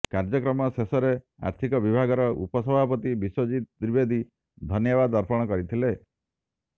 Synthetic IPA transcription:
kaɾd͡ʒɔkɾɔmɔsesɔɾe | a̰ɾt̪ʰikɔbibʱaɡɔɾɔṵpɔsɔbʱapɔt̪ibisod͡ʒit̪d̪ɾibed̪ʱi | d̪ʱɔnjɔbad̪ɔɾpʰɔɽ̃ɔkɔɾit̪ʰile

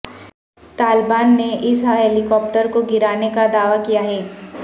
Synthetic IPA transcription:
t̪aːlbaːnːeʔɪsɦaɦɛlɪkɔːp̚ʈəɾkoɡɪɾaːnekad̪aːʋakijaɦɛː

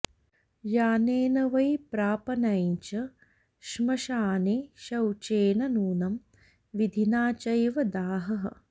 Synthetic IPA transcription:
jaːneːnɐʋɐjpɾaːpɐnɐjɲt͡ʃɐ | ʃmɐʃaːneːʃɐwt͡ʃeːnɐnuːnɐm | ʋid̪ʱinaːt͡ʃɐjʋɐd̪aːɦɐɦɐ̰̆

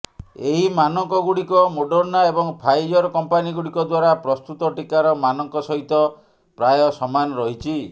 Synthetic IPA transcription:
eɦimanɔŋkɔɡuɽikɔmoɖɔɾnaebɔŋpʰajd͡ʒɔɾɔkɔmpaniɡuɽikɔd̪waɾapɾɔst̪ut̪ɔʈikaɾɔmanɔŋkɔsɔɦit̪ɔ | pɾajɔsɔmanɔɾɔɦit͡ʃʰi

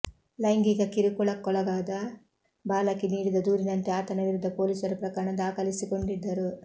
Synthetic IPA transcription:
lɐjŋɡiɡɐkiɾikuɭɐkːɔlɐɡaːd̪ɐ | baːlɐkːiniːɽid̪ɐd̪uːɾinɐnt̪eaːt̪ɐnɐʋiɾud̪ʱːɐpoːliːsɐɾupɾɐkaːɾɐɳɐd̪aːkɐlisiko̞ɳɖid̪ːɐɾu

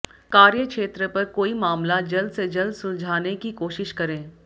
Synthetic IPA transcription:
kaːɾjəkʃeːt̪ɾəpɐɾkoːimaːmlad͡ʒɐld̪sed͡ʒɐld̪sʊ̃nd͡ʒʱaːnekikoːʃɪʃkɐɾẽː

